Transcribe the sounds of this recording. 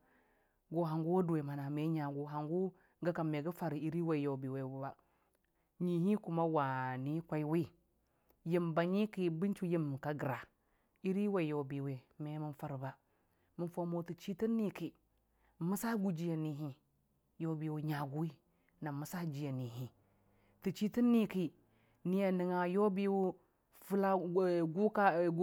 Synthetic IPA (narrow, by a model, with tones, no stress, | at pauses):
ɡo˨ɦa˨ŋɡu˦wo˦du˨we˨ma˨na˨me˨˦ɲa˨ɡu˦ɦa˨ŋɡu˦ | ɡa˦ka˨mme˨ɡa˦fa˨ɾi˨i˦ɾi˦wa˨jo˨bi˨we˨bu˨ba˨ | ɲi˨ɦi˦ku˨ma˦wa˨ni˦kʷa˦jwi˦ | ji˦mba˨ɲi˦ki˦bi˦nt͡ʃu˦ji˦m˨ka˨ɡɾa˨ | i˦ɾi˦wa˨jo˨bi˨we˨me˨˦mi˦nfa˦ɾba˨ | mi˨nfo˦mo˦˨ti˨t͡ʃi˦ti˦nːi˦ki˨ | mə˦sa˦ɡu˦d͡ʒi˦ja˨ni˨ɦi˦ | jo˦bi˨wu˦ɲa˨ɡu˦wi˦ | na˨mu˨sa˦d͡ʒi˨˦ja˨ni˨ɦi˨ | ti˨t͡ʃi˦ti˦nːi˦ki˦ | ni˨ja˨ni˨ŋa˨jo˦bi˦wu˦ | fu˦la˦ɡu˦ka˦˨ɡ